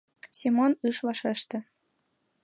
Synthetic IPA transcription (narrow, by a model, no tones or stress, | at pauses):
sʲimonɯʃvɑʃɤ̆ʃt̪ɘ̆